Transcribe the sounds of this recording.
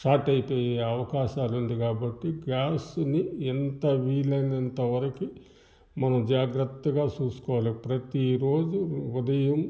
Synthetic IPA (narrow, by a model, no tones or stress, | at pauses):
sʈaːʈɐjipoːjeːɐʋɐkaːʃaːlund̪ikaːbɐʈːiɡaːsniːnt̪ɐʋiːlɐjnɐnt̪ɐʋɐɾɐki | mɐnɐmd͡ʒaːɡɾɐt̪ːɐɡaːt͡ʃuːsu̥kɔːʋaːlepɾɐt̪iɾo̞ːd͡ʒuud̪ɐjɐm